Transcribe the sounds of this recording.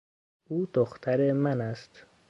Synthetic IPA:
uːd̪oxt̪ʰaɾemanast̪

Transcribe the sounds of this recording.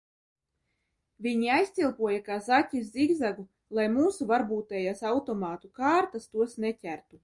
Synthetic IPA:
vʲiɲiajsʲt̪sʲilˠpuɔjakaːzatʲːiz̬ʲziɡzaɡu | lˠajmuːsuvaɾbuːt̪ɛjasawt̪ɔmaːt̪ukaːɾt̪ast̪uɔsnɛcʲæɾt̪u

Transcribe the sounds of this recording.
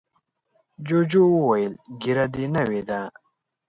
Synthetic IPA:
d͡ʑod͡ʑowwojilɡiɾad̪inawed̪a

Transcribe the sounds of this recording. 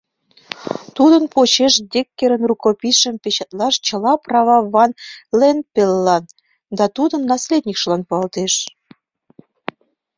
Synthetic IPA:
t̪ud̪ənpot͡ɕeʃd̪ʲekːeɾənrukopʲiʃəmpet͡ɕɑt̪lɑʃt͡ɕəlɑprɑβɑβɑnlenpelːɑn | d̪ɑt̪ud̪ənːɑslʲed̪ʲnʲikʃlɑnpuɑlt̪eʃ

